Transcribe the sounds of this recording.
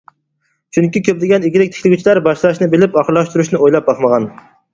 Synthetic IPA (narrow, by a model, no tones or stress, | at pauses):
t͡ʃʰyŋkʲikʲʰøp̚d̪ɪɡʲɛniɡʲɪɾɪk̚ʲt̪ʰɪ̥kʰʲlɪɡʲyt͡ʃʰilæɾbɑʃlˠɑʃnɪbelɪpɑχlˠɑʃt̪uɾuʃnɪojlˠɑp̚bɑχmɑʁɑn